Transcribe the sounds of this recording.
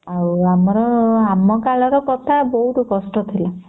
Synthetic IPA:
auamɔɾɔamɔkalɔɾɔkɔt̪ʰabɔɦut̪ɔkɔsʈɔt̪ʰila

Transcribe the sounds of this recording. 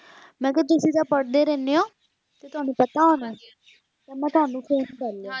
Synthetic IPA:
mɛ̃ːket̪̬ʊsĩːt̪aːpəɽd̪eːɾɛːneoː | t̪eːt̪ʊaːnũːpət̪aːɦoːnɛː | t̪aːmɛ̃ːt̪ʊaːnũːkʰeːskəɾle

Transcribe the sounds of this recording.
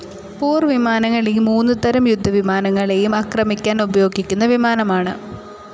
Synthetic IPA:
puːrʋimaːnɐŋːɐɭeumːuːnːɨt̪ɐɾɐmjud̪ʱːɐʋimaːnɐŋːɐɭe̞jumaːkrɐmikʲːaːnubɐjo̞ːɡikʲːun̪ːɐʋimaːnɐmaːɳɨ

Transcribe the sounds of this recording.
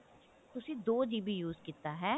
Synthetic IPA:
t̪ʊsed̪oːd͡ʒiːbʱijuːzkit̪aɦɛː

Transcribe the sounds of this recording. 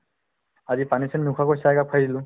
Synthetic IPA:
azipanisɛnnːukʰakojsakak̚ʰajdilʊ̃

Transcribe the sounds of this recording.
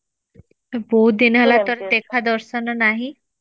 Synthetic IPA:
boinəlat̪əɾt̪ekʰad̪əɾsənənaɦi

